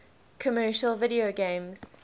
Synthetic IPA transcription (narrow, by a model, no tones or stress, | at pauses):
kʰəmɜːˑʃəlˠvɪɾioɡẽɪ̃mz̥